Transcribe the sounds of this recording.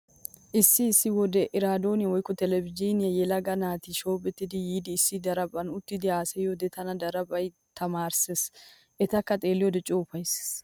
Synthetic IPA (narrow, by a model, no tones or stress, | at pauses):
ʔɪsːɪːsːɪwɔd̪ɛʔɪɾaːd̪o̞ːnɪɐwɔjkːɔt̪ɛlɛvɪd͡ʒinɪjɐjɛlɐɡɐnaːt̪ɪʃo̞ːpʼɛt̪ːɪd̪ɪjiːd̪ɪːsːɪd̪ɐɾɐbʼɐnʊt̪ːɪd̪ɪaːsɛjod̪ɛt̪ɐnɐd̪ɐɾɐbʼɐj | t̪ɐmaːɾses | ʔɛt̪ɐkːɐt̪ʼe̞ːlːɪjɔd̪ɛt͡ʃʼoːfɐjss